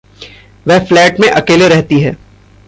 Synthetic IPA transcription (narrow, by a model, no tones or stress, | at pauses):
ʋɛɦflɛːʈmẽʔɐkeːleɾɛɦt̪iɦɛː